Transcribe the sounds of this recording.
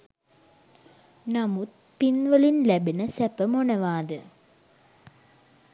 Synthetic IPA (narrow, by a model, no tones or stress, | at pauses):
namut̪̚ | pinʋəlinlæbinəsæpəmonɐʋaːd̪ə